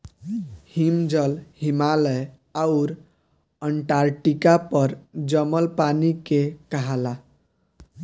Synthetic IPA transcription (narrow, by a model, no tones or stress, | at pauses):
himd͡ʒəlhimalə | aʊɾ | əɳʈaɾʈikapəɾd͡ʒəməlpanikekəɦala